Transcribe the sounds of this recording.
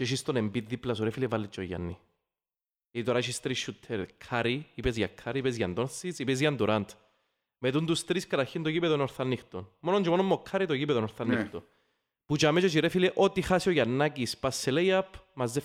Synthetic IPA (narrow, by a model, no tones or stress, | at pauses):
t͡ʃeʃ̬ist̪onembiðːiplɐsuɾefilevalːit͡ʃːojɐ̰nːḭ | ɐit̪oɾaʃist̪ɾisːut̪ʰːɛɾkʰaɾiipɛzʝɐkʰːaɾiipɛzʝɐnd̪onsit͡sipɛzʝɐnd̪uɾant̪ | meðund̪ust̪ɾiskɐɾaçind̪oʝipɛðonoɾθanːixt̪onmonoɲd͡ʒemonomːokʰːaɾit̪ojipɛðonoɾθanixt̪o | put͡ʃamɛt͡ʃot͡ʃiɾefilɛʔot̪ixasioʝɐnːakispasːeleiapʰːmɐzːe